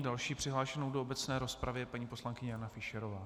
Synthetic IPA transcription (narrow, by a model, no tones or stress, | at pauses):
dalʃiːpr̥ɪɦlaːʃɛno̞wdoobɛt͡snɛːɾo̞spɾavjɛpaɲiːpo̞slaŋkɪɲɛjanafɪʃɛɾovaː